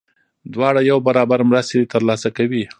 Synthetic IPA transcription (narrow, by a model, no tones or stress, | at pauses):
d̪wɑɽajawbaɾɑbaɾmɾast̪et̪əɾlɑsakawi